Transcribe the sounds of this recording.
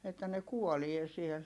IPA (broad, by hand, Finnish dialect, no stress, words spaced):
etːæ ne kuolie siel